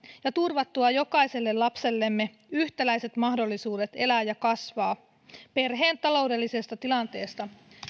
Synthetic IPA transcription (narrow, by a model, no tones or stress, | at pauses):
jɑt̪urʋɑt̪ːuɑjo̞kɑise̞lːe̞llɑpse̞lːe̞mːe̞ | yht̪ælæjse̞t̪mɑɦdo̞lːisuːde̞t̪e̞læːjɑkɑsʋɑː | pe̞rɦe̞ːnt̪ɑlo̞wde̞lːise̞st̪ɑt̪ilɑnt̪e̞ːst̪ɑ